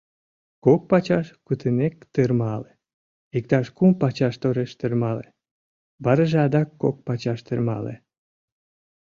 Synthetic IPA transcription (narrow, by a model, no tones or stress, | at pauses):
kok̚pɑt͡ɕɑʃkut̪ʰɨnekt̪ɨrmɑle | ik̚t̪ɑʃkumpɑt͡ɕɑʃt̪oɾeʃt̪ɨrmɑlḛ | bɑɾəʒeɑd̪ɑkːok̚pɑt͡ɕɑʃt̪ɨrmɑ̰lḛ